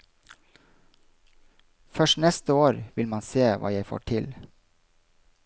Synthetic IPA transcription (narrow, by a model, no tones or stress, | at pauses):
fœʃʈnɛst̪əoːɾʋɪlmɑnseːʋʔɑ̰ːjæɪfo̰ːʈʰɪl